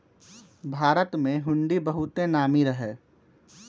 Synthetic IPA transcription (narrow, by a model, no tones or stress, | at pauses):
bʱaːɾət̪mẽɦʊ̃ɳɖibəɦʊt̪enaːmiɾəɦeː